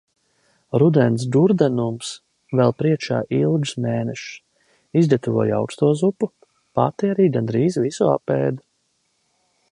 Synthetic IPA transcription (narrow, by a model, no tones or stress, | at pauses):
ɾud̪ɛnsd̪uɾd̪ɛnums | vɛlˠpɾiɛkʃa̰ːʔilˠɡsmeːnɛʃ | izd̪ɛt̪uvɔɔja̰wkst̪uɔzupu | pat̪ɛɛɾiːɡand̪ɾiːzvisua̰peːd̪u